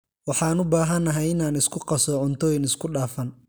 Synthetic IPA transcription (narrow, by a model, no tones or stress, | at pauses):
wɑħɑːnʊbaːɦɐnːɐɦɛjɪnaːnɪskʰʊqɑsɔʕʊnt̪ʰɔːjɪnɪskʰʊɖaːfɐn